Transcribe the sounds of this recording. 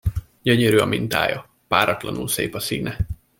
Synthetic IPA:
ɟøɲøɾyːɒmint̪a̰ːjɒ | paːɾɒt̪lɒnulsḛːpɒsiːnɛ

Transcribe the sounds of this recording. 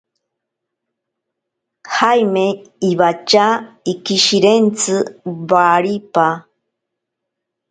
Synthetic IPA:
hajmeiβat͡ʃaikiʃiɾent͡sɨβaɾipa

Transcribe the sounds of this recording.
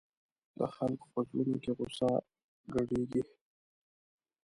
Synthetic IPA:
d̪ə̰xalko̥pəʒwunokeɣʊsɑ | ɡaɽeɡi

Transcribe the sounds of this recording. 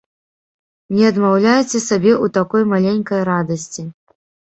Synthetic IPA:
nʲɛɐd̪mawlʲajɛt͡sʲɛsabʲɛʔut̪akɔjmalʲenʲkɐjɾad̪ɐsʲt͡sʲi

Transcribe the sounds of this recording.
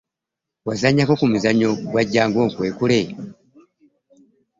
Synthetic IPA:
wazaɲakokumuzaɲoɡwaɟaːŋɡoŋkweːkule

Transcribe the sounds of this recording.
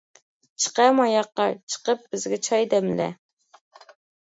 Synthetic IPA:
t͡ʃʰə̥qɑmɑjɑqːɑt͡ʃʰə̥qəp̚b̥ɪzɡʲɛt͡ʃʰɑjd̪ɛmlɛ̰

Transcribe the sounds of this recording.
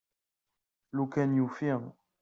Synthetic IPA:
lukɛnjufiŋ

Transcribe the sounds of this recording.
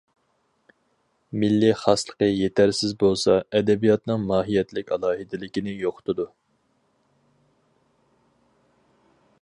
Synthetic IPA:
mɪlːiχɑslˠə̥qəjet̪ʰæɾsɪzbolˠsɑɛd̪ɛbijɑt̪nɨŋmɑːɦijɛt̪lɪkʲɑlˠɑːɦɨd̪ɪlɪkʲinɪjoqʰʊ̥t̪ʰʊd̪u

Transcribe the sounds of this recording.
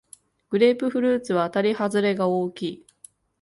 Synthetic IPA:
ɡ̥ɯ̟ɾʲeːpɯ̟ɸɯ̟ɾɯ̟ːt͡sɨβaːt̪aɾʲihazɨɾe̞ɡaoːkʲiː

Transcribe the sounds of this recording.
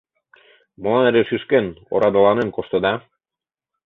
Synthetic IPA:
mŏlɑneɾeʃyʃkeno̰ɾɑd̪ɤ̆lɑnenkoʃt̪ɤ̆d̪ɑ

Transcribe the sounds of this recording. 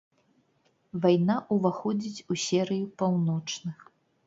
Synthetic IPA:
vajnaʔuvaxɔd͡zʲit͡sʲusʲɛɾɨjupawnɔt͡ʂnɨx

